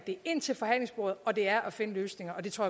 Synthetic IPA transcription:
d̥e̝e̝n̰t͡sʰe̝lfɒ̽ɦhæn̰le̝ŋsb̥oɐð̩ˠɒ̽d̥e̝æɐʔæfe̝nəløːsne̝ŋɐʔɒ̽d̥e̝t͡sʰʁo̝ɐ

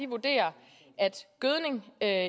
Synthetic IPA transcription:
iʋud̥e̝̰ːɐ | ʔæd̥ɡ̥øð̞ˠne̝ŋø

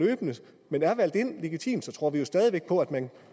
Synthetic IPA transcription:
øːb̥nə | menæɐʋæl̰d̥e̝n̰le̝ɡ̥it͡sʰḭːmd̥sɒ̽t͡sʰʁo̝ɐ̰ʋijo̝sd̥ɛːð̞ˠiʋeɡ̥̚pʰɒ̽æd̥mæn

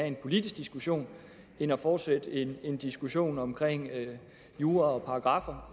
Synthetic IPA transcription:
æe̝npʰo̝lid̥isɡ̥̚d̥isɡ̥uɕo̝̰ːn | e̝nɒfɒːd̥sed̥əe̝ne̝nd̥isɡ̥uɕo̝̰ːnɒ̽mkʰʁeŋ̰ | juːɐɒ̽pʰɑ̈ːɡ̥ʁɑ̈fɐ

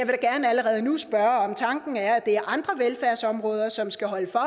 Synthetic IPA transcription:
jɑʋe̝ɾ̥ɑɡ̥æɐnəæləʁɛːð̞̩ˠənusb̥ɶɐɒ̽mt͡sʰɑ̈ŋɡ̥n̩æɐæd̥e̝æɐʔɑ̈nd̥ʁɐʋelfæɐsɒ̽mʁɔ̽ːð̞ˠɐsɒ̽msɡ̥æɦɒ̽ləfɒ̽

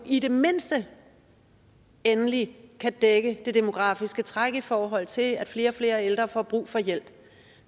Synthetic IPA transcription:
ide̝me̝n̰sd̥ə | enəlikʰæd̥eɡ̥əd̥e̝d̥e̝mo̝ɡ̥ʁɑ̰̈ːfisɡ̥ət͡sʰʁaɡ̥əifɒːɦɒ̽l̰t͡sʰe̝læd̥fle̝ːɐɒ̽fle̝ːɐeld̥ʁɐfɒ̰ːb̥ʁṵːfɒ̽jel̰b̥

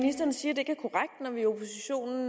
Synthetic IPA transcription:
nisd̥ɐnsiːɐd̥e̝e̝ɡ̥æɐkʰɒʁaɡ̥̚d̥nɒʋiopʰo̝siɕo̝̰ːnn̩

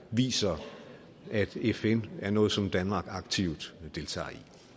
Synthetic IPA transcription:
ʋḭːsɐ | æd̥efenæɐnɔ̽ːð̩ˠsɒ̽md̥ænmɑ̈ːɡ̥ɑ̈ɡ̥̚t͡sʰiʊd̥d̥e̝lt͡sʰɑ̰̈ːi

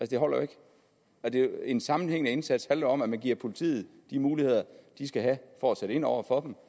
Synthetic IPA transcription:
ælsəd̥e̝ɦɒ̽l̰ɐe̝ɡ̥ | ɒd̥e̝ensɑ̈mn̩heŋ̰nəe̝nsæd̥shænlɐɒ̽mæmænɡ̥iɐpʰo̝lit͡sʰḭːð̩ˠd̥imuːlihe̝ð̰ˠɐd̥isɡ̥æɦæfɒseɾ̥əe̝n̰ɒʊ̰ɐfɒ̽d̥m

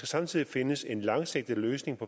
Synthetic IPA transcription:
ɡ̥æsɑ̈mt͡sʰið̰ˠife̝nəse̝nlɑ̈ŋseɡ̥̚d̥ð̩əløːsne̝ŋpʰɒ̽

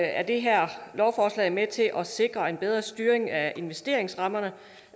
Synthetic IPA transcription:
æɐd̥e̝ɦæɐ̰lɒʊfɒːslɛ̰ɪmet͡sʰe̝lʔɒ̽se̝ɡ̥ʁɐe̝nb̥eð̞ˠʁɐsd̥yːɐeŋæe̝nʋesd̥e̝ɐ̰e̝ŋsʁɑ̈mɐnə

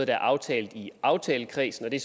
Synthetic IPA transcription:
ð̩ˠd̥ɑæɐʔɑ̈ʊt͡sʰɛ̰ːld̥̩ˠiɑ̈ʊt͡sʰɛːləkʰʁḭːsn̩ɒ̽d̥e̝s

